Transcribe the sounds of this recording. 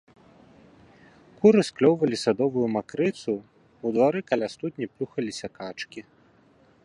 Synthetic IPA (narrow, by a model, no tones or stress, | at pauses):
kuɾɨsklʲɔwvɐlʲisad̪ɔvujumakɾɨt̪su | ud̪vaɾɨkalʲast̪ut̪̚ʲnʲiplʲuxɐlʲisʲɐkat͡ʂkʲi